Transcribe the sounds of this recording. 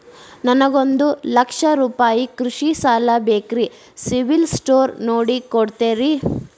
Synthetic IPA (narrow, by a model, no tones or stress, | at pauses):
nɐnɐɡo̞nd̪ulɐkʂɐɾuːpaːjikɾuʂisaːlɐbeːkɾi | siʋilsʈoːɾnoːɽikoɽt̪eːɾi